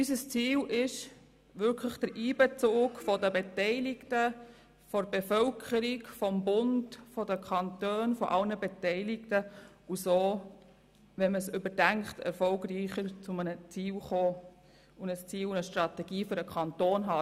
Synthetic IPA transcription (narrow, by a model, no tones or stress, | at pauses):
ysəst͡siːlɪʃ | ʋʏɾkʰləχd̥əɾʔiːbɛt͡suːɡfɔdəbetɛɪlɪktə | fɔɾbefœlkʰəɾiɡfɔmbʊndfɔdəkʰχɑntøːnfɔʔɑlnəbɛtɛɪlɪktə | usoː | ʋɛməsʏbədæŋktʰɛ̰ɾfɔlɡɾiːχəɾt͡sʊmənət͡siːlχoː | ʊnəst͡siːlunəʃtɾɑtɛɡ̥iːfʏɾəkʰɑnt̪oːnɦɑ